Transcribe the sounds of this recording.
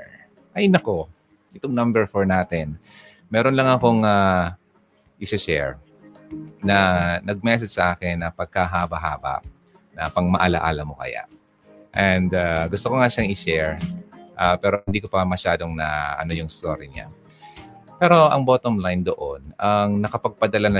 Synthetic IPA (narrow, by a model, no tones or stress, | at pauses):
ʔɐʔnɐko̞ | ʔɪt̪oŋnɐmbɛɹfoɹnaːt̪ɛn | mɛːɾonlɐŋɐko̞ŋa | ʔɪsɪʃɛ̰ɹ | nɐnɐɡ̚mɛs̬ɛd͡ʒsɐʔaːkɛnːɐpɐɡ̚kaɦaːbɐɦa̰ːbɐ̰ | nɐpɐɡmɐʔɐla̰ʔa̰lɐmokɐ̰ja̰ʔ | ʔɛnd̪aɡʊst̪okoŋaʃaŋɪʃɛɹʔaːpɛːɾo̞hɪnd̪iːkopɐmɐʃaːd̪oŋnɐ̰ʔɐ̰no̞jʊŋɪst̪o̰ːɾiɲa̰ | pɛːɾo̞ʔɐŋboːt̪omlajnd̪o̞ʔonɐŋnɐkɐpɐɡ̚pɐd̪ɐlanɐ